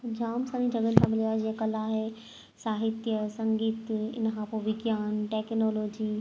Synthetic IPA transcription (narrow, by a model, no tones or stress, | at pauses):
d͡ʑaːmsaɾĩd͡ʑʱɐɡənɪ̆sãmɪliaːɦed͡ʑĩːẽkɐlaːɦe | saːɦɪt̪jəsɐ̃ŋɡiːt̪ɪ̰nkʰãːpoːʋɪɡjaːnʈeːknoːloːd͡ʑiː